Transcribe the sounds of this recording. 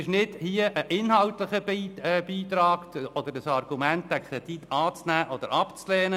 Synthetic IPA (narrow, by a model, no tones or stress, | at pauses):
ɪʃnɪd̥hiəʔəʔɪnhɑlt̪ləχəb̥iːt̪ɾɑːkt̪ʰɔd̪əɾəsɑrɡ̥umænt̪̚d̥̪ækʰɾɛd̪̥it̪ʰːɑːt͡snæːʔɔd̪əɾɑpt͡slɛːnə